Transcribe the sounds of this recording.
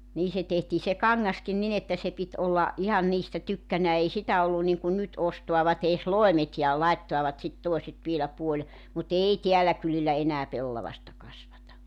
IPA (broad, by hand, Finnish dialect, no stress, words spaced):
niː se tehtiː se kɑŋːɑskin nin etːæ se pit ʔolːɑ ʔihɑn niːstæ tykːænæː ei sitæ olːun niŋkun nyt ostoɑʋɑt eːs loemet jɑ lɑitːoɑʋɑt sit toeset ʋielæ puolʲ mut ei teælæ kylilːæ enæː pelːɑʋɑstɑ kɑsʋɑtɑ